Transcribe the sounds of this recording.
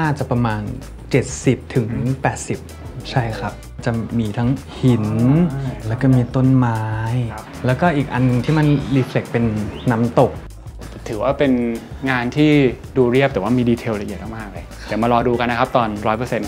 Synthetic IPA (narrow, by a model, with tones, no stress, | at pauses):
naː˥˩t͡ɕa˨˩pɾa˧maː˧n | t͡ɕe˨˩t̪̚si˨˩p̚t̪ʰɯ˩˦ŋpɛː˨˩t̪̚si˨˩p̚ | t͡ɕʰa˥˩jkʰa˦˥p̚t͡ɕa˨˩miː˧t̪ʰa˦˥ŋ | hi˩˦n | lɛː˦˥wkɔː˥˩miː˧t̪o˥˩nmaː˦˥j | lɛː˦˥wkɔː˥˩ʔiː˨˩k̚ʔa˧nːɯ˨˧ŋt̪ʰiː˥˩ma˧nliː˧fle˨˩k̚pe˧nːa˦˥mt̪o˨˩k̚ | t̪ʰɯː˩˦waː˥˩pe˧nŋaː˧nt̪ʰiː˥˩ | duː˧ɾi˥˩əpt̪ɛː˨˩˦waː˥˩miː˧diː˧t̪ʰeː˧wɾa˧ʔi˨ət̪̚ʰa˥˩maː˥˩k̚lɤː˧jt̪ɛː˨˩ma˧lɔː˧duː˧ka˧nː˦˥kʰa˦˥p̚t̪ɔː˧nɾɔː˦˥jpɤ˧˩se˧n